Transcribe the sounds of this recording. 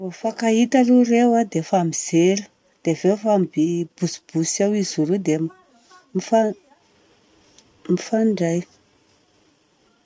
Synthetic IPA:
ofakait̪alurewad̪efamiz̥eɾə̥ | d̪̥evefambib̥usb̥usawizuɾud̪em | mifa | mifaɳɖ͡ʐaj

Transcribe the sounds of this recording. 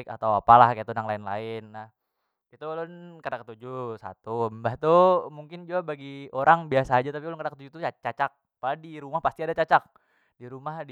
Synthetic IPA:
ka̰t̪awapalahkait̪unaŋlaɪnla̰ɪnːah | it̪ulʊnkadakət̪ud͡ʒusa̰t̪umbaht̪umuŋkɪnd͡ʒuabaɡioɾʔaŋbiasaːd͡ʒat̪apilʊnkadakə̥t̪ud͡ʒut̪uat͡ʃat͡ʃak̚ | padiɾumahpast̪iadat͡ʃat͡ʃak̚ | diɾumahd

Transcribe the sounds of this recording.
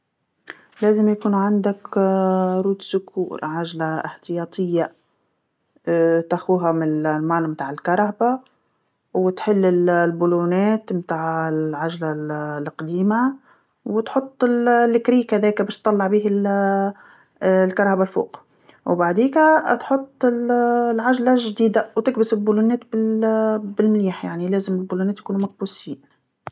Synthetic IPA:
leːzɪmjakuːnʕand̪ak | ɾuːt̪sʊkʰṵːɾʕaʒlaɪ̰ħt̪ɪjɑːt̪ˤɪjːa | t̪axuːɦamɪllmaːnmt̪aːʕɪlkɑɾˤɑhba | wɪt̪ħɪlːɪllbuluːneːt̪mt̪aːʕɪʕaʒlallqd̪iːma | wɪt̪ħʊt̪ˤːɪllːɪkɾiːkaðɛːkbæːʃt̪ˤːɑlːɑʕbiːhɪl | lkɑɾˤhabalfṵːq | wbaʕd̪iːkat̪ħʊt̪ˤːɪllʕaʒlaʒd̪iːd̪awt̪ɪk̚bɪsɪlbulunɛːt̪̚bɪ | bɪlmɪliːħjaʕnilæːzɪmɪlbuːluːnɛːt̪jkuːnumæk̚buːsiːn

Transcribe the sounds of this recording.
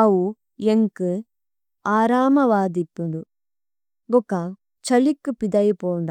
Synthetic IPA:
ɐwu | eŋkɨ | aːɾaːmɐʋaːd̪ipːund̪u | ɡɔkːa | t͡ʃɐlikːupid̪ɐjipoːnd̪a

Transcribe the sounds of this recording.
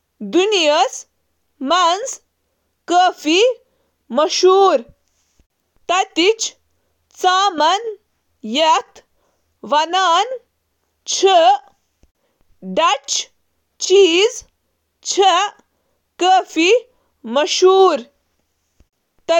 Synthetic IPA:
d̪unijəs | mans | kəːfi | mɐʃuːɾ | t̪ɐt̪it͡ʃ | t͡saːmɐn | jɐt̪ʰ | ʋɐnaːn | t͡ɕʰə | ɖɐt͡ʃ | t͡ʃiːz | t͡ɕʰə | kəːfi | mɐʃuːɾ | t̪ɐ

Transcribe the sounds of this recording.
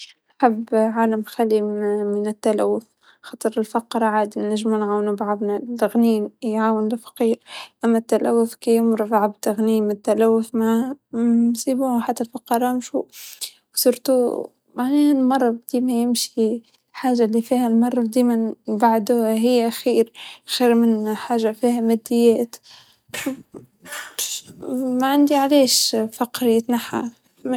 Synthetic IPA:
ʔħabːʕaːlamxælːimɪnɪt̪ːælæ̰wːʊf | xɑːt̪ˤɨɾɪlfɑqːɾˤɑʕaːd̪inæʒmuːnʕawnubʕɑðˤnalɣniːnjʕaːwɪnlɪfḁqiːɾʔæmːæt̪ːælæwːʊfkijʊmɾˤɑfʕabt̪aɣniːmɪt̪ːalæwːʊfmæ | nsiːbuːhħat̪ːalfɑqːɑɾˤɑmʃṵ | wsʊɾt̪u | maʕneːnmɑrˤːɑbd̪̥iːmæjɪmʃi | ħaːʒːalifiːhælmɑrˤːɑd̪iːmanbaʕd̪uːhaɦɪjːʔxiːɾxiːɾmɪnħaːʒːafiːhamæd̪ːɪjːæːt̪ | maʕand̪iʕaleːʃfɑqɾɪjːt̪naħa̰

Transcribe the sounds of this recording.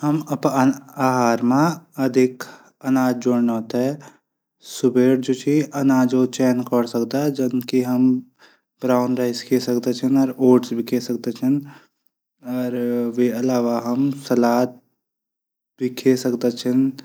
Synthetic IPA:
hɐmɐpaːɦaːɾmãɐd̪ʱɪk | ɐnaːd͡ʒd͡ʒoːɽnɔːt̪ɦɛ | sʊbʱeːɽd͡ʒoːt͡ʃʰiɐnaːd͡ʒot͡ʃɛːnkɔɽsɐkt̪ad͡ʒɐnkiɦɐm | bɾaːʊnɾaɪskʰeːsɐkd̪at͡ʃʰənɔːɾoːʈsbʱikʰesɐk̚t̪et͡ʃʰən | ɔːɾʋeɐlaːʋaɦɐmsɐlaːt̪̚ | bʱikʰeːsɐkd̪at͡ʃʰən

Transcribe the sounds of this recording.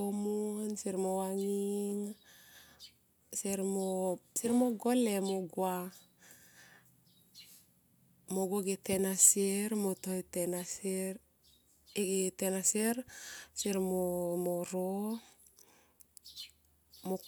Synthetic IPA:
omunsiɾmowaŋiŋ | siɾmosiɾmoɡolemoɡwa | moɡoɡetenasiɾmotoitenaseɾ | ɡetenaseɾsiɾmomoɾo | mo

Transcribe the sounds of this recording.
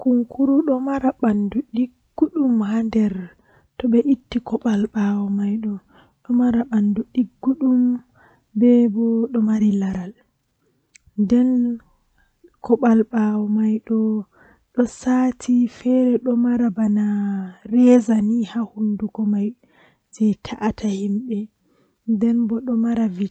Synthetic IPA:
kuŋkʰuɾuɗɔmaɾaɓanduɗiɡːuɗumhandɛɾ | tɔɓɛʔitːikɔɓalɓawɔmajɗɔ | ɗɔmaɾaɓanduɗiɡːuɗum | bɛbɔɗɔmaɾilaɾal | ndɛn | kʰɔɓalɓawɔmajɗɔ | ɗɔsaːtʰifɛɾɛɗɔmaɾabanaɾɛzanihahunduɡɔmaj | d͡ʒɛtʰaʔatʰahimɓɛ | ndɛnbɔɗɔmaɾavi

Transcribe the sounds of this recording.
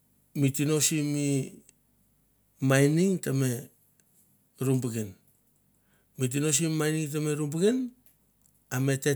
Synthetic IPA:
mitino̞simi | majniŋtame̞ | ɾumbuɡen | mit̬ino̞s̬imimajniŋtame̞ɾumbuɡen | ame̞te

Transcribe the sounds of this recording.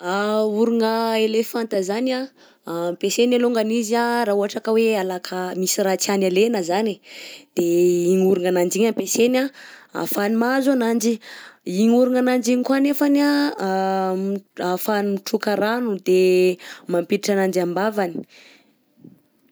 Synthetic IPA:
auɾuŋəelefant̪əzana | mpesenaluŋɡaniziaraɦuɦaʈ͡ʂakəwealakʰəmisiɾat͡sanalenəzanid̪̥eiɲuɾuŋanand͡ʒiɲampesenaa̰fanimazuanand͡ʒiiɲuɾuŋanand͡ʒiɲikanefana | afanimiʈ͡ʂukəɾanud̪e | mampitiʈ͡ʂanand͡ʒambavani̥

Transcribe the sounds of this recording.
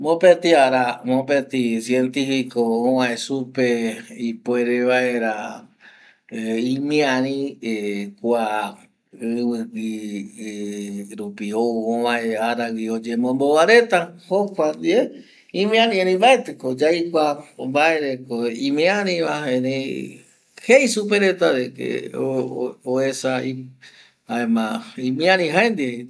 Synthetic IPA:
mõpet̪iaɾamõpet̪isjent̪ifikoõβãesupeipoeɾeβaeɾa | ĩmĩãɾĩ | kʷa | ɨβɨɡi | ɾupiouõβãeaɾawiod͡ʒemõmboβaɾet̪ahokʷand̪ie | ĩmĩãɾĩenẽbaet̪ekod͡ʒajkʷambaeɾekoĩmĩãɾĩβaẽɾe | heisupeɾet̪aɾekḛ | oesai | aẽmãĩmĩãɾĩɦaẽnd̪ie

